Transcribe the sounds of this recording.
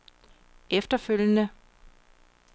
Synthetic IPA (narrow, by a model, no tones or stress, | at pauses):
efd̥ɐføl̰jənə